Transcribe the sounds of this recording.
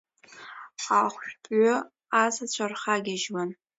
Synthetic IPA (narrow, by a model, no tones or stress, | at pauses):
aχʷpʼɥʊ | azat͡ɕʷʰarχaɡʲaʒwan